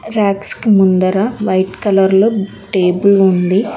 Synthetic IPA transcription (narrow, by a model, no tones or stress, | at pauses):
ɾaːkskimund̪ɐɾɐʋɐjʈkɐlɐɾlo | ʈeːbulund̪i